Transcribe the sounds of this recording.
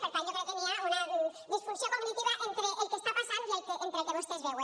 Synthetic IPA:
peɾt̪aɲokɾewkeniaunɐɛðisfunsjokoɣnit̪iβɐʔent̪ɾeʔelkest̪apasand̪ielkeʔent̪ɾek̪eβost̪ezβewe

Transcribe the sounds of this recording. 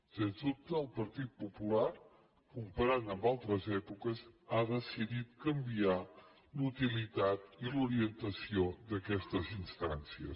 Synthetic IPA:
senzut̪əːlˠpəɾt̪it̪̚pupula | kumpəɾanəmbalˠt̪ɾəzɛpukəzaðəsiðit̪̚kəmbia | lut̪ilit̪at̪iluɾiənt̪əsiod̪əkɛst̪əzinst̪ansiə̰

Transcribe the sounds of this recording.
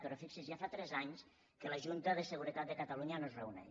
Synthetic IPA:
pəɾofiksizjafat̪ɾɛzaɲs | kələʒunt̪əðəsəɣuɾət̪at̪̚d̪əkət̪əluɲənozreunɛ̰

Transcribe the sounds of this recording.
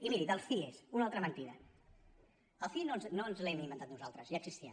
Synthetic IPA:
imiɾiðəlˠsfiesunalˠt̪ɾəmənt̪iɾə | əlˠfinoznoənzlɛmĩmənt̪at̪nuzalˠt̪ɾəzjaɡ̥sist̪iə̰

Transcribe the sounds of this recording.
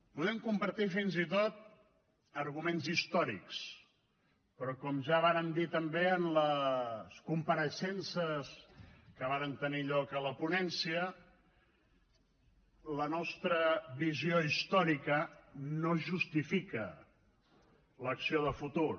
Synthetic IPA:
puðɛmkumpəɾt̪ifinzit̪ot̪̚ | əɾɣumenzist̪ɔɾḭks | pɾɔkɔmʒaβaɾənd̪it̪əmbeənləskumpəɾəʃɛnsəskəβ̞aɾənt̪əniʎɔkələpunɛnsiə | lənɔst̪ɾəβizioist̪ɔɾikənoʒust̪ifikə | ləksioðəfut̪ur

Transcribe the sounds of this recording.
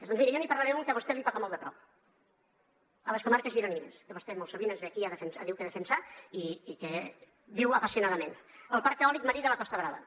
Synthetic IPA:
ðɔnzmiɾəjɔnipɐɾlaɾɛmuŋkəβost̪ɛlit̪ɔkəmɔlˠd̪əpɾɔp | əleskomaɾkəzʒiɾoniinḛskəβost̪ɛmolˠsoβinənzβeakiaðəfənsaðiwkəðəfənsaikike | biwɐpasiunaðəmenəlˠpaɾkːeɔlik̚məɾiðəlɐkɔst̪əβɾaβə̰

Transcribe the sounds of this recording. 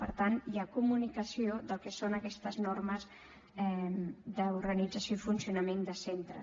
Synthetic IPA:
pəɾt̪anjakumunikəsioðəlˠkɛsonəkɛst̪əznorməz | ɛmd̪əuɾɣənid͡zəsjoifunsiunəmend̪əsent̪ɾə̰

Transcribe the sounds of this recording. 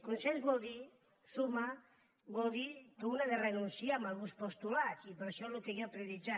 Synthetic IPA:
kunsɛnzbɔd̪i | suma | bɔld̪ikeunaðerenunsiamalβuspost̪ulat͡ʃipeɾʃɔlokeɣɔpɾeðid͡ʒa

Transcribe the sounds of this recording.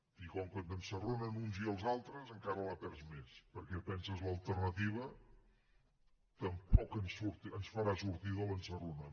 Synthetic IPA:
ikɔlˠkənənsərunənunziəlˠzalˠt̪ɾəzəŋkaɾələpɛɾsmespəɾkɛpɛnsəzləlˠt̪ərnət̪iβ̞ə | t̪əmpɔkənsuɾt̪ənsfəɾasuɾt̪iðələnsərunə

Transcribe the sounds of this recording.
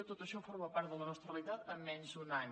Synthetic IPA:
ət̪ot̪əʃɔfoɾməpaɾt̪̚ðələnɔst̪ɾəreəlit̪at̪əmːɛnzunaɲ

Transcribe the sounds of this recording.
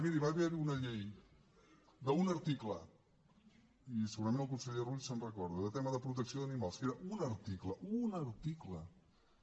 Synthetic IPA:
miɾiβaβiəβiunəʎej | d̪əunəɾt̪iklə | isəɣuɾəmẽnəlˠkunsəʎeruʎsənrəkɔɾðuðət̪eməðəpɾut̪̬əksioðənimalˠskeɾəʔunəɾt̪ikləʔunəɾt̪iklə

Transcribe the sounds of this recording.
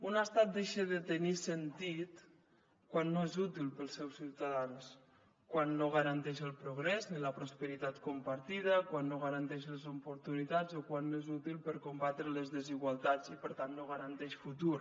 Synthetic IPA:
unast̪at̪̚d̪eʃeðət̪ənisənt̪it̪ | kwanːoezut̪ilˠpəlˠsɛwsiwt̪aðans | kwanːoɣaɾant̪ɛʃəlˠpɾuɣɾɛzniləpɾospəɾit̪at̪kumpaɾt̪iðəkwanːoɣəɾənt̪ɛʃləzupuɾt̪unit̪ad͡zokwanːoezut̪ilˠpəɾkumbat̪ɾələzðəziɣwalˠt̪ad͡zipəɾt̪anːoɣəɾənt̪ɛʃfut̪uɾ

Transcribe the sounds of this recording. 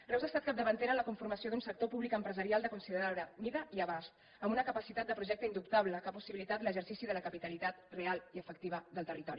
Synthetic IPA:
rɛwzast̪at̪̚kap̚d̪əβənt̪eɾənləkuɱfuɾməsioðunsək̚t̪opuβlikəmpɾəzəɾialˠd̪əkunsiðəɾaɾəmiðəʔiəβast̪ | əmbunəkəpəsit̪at̪̚d̪əpɾuʒɛk̚t̪əind̪upt̪aβləkapusiβilit̪at̪ləʒəɾsisiðələkəpit̪əlit̪at̪realiəfək̚t̪iβ̞əðəlˠt̪ərit̪ɔɾi

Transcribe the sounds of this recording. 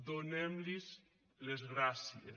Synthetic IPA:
d̪onɛmliz | lezɣɾasiḛ

